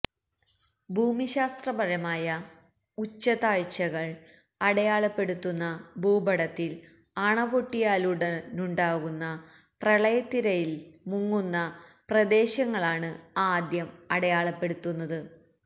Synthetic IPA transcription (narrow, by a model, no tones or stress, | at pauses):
bʱuːmiɕaːst̪rɐbɐɻɐmaːjɐ | ut͡ɕːɐðaːɻt͡ɕːɐɣɐɭ | ɐɽɐjaːɭɐpːe̞ɽut̪ːunːɐbʱuːbɐɽɐt̪ːil | ɐɳɐʋoʈːijaːluɽɐnuɳɖaːɣunːɐ | prɐɭɐjɐt̪ːiɾɐjilmuŋːunːɐprɐd̪e̞ːɕɐŋːɐɭaːɳɨaːd̪jɐmɐɽɐjaːɭɐpːe̞ɽut̪ːunːɐðɨ